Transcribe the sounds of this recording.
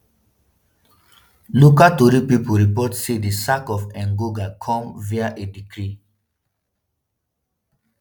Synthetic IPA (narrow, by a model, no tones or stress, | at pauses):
lukatoɾipipuɾipɔtsedisakɔfɛ̃nɡoɡakʰɔ̃mviaʔedikɾi